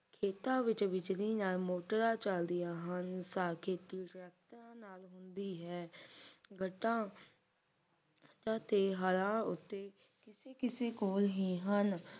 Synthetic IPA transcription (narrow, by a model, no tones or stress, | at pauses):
kʰeːt̪ãːʋɪt͡ʃʋɪd͡ʒliːnaːlmoːʈəɾaːt͡ʃəld̪ɪjaːɦənsaːkʰeːt̪iːʈɾɛːk̚t̪ɾãːnaːlɦʊnd̪iːɦɛː | ɡəʈːãː | d͡ʒãːt̪eːɦəɾãːʊ̰t̪ːeː | kɪseːkɪseːkoːlɦiːɦən